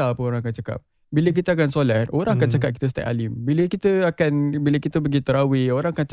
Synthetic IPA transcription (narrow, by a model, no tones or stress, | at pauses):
apəoɾãŋakant͡ʃaka̰p̚ | bilək̬it̪əak̬ansolat̪̚ʔoɾãŋakant͡ʃakap̚ki̥t̪əs̬t̪a̰ʔa̰limbiləkit̪əakanbiləkit̪əbəɡit̪əɾawioɾaŋakant͡ʃ